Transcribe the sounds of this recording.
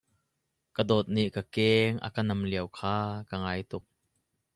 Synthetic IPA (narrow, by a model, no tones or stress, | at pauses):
kədɔt̪̚niʔkakɛːŋʔɐ̰kɐnɐmliəwkʰaːkəŋaːjt̪ʊk̚